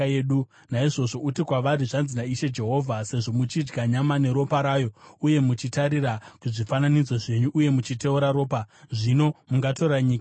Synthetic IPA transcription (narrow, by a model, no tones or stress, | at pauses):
eːɗu | naiʐo̞ʐo̞utikwaʋaɾiʐanzinaiʃe̞d͡ʒe̞ɦo̞vʱase̞ʐo̞mut͡ʃid͡ʒɡaɲamane̞ɾo̞paɾaːjo̞uje̞mut͡ʃitaɾirakuʐifananid͡zwoʐe̞ɲuʔːje̞mut͡ʃite̞uɾaɾo̞ːpaʐino̞muŋɡato̞raɲiːka